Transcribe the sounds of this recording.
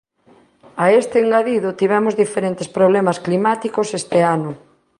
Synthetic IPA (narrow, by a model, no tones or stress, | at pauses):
aest̪eːŋɡaðiðʊt̪iβɛmʊzðifeɾent̪espɾoβlɛmasklimat̪ikosest̪eanʊ